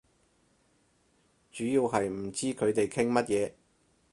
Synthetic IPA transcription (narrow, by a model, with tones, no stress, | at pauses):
t͡ʃyː˨˥jiː˧whɐ˨jm̩˨˩t͡siː˥kʰɵ˨˧ɥt̪e˨jkʰɪ˥ŋmɐ˥t̚jɛː˨˧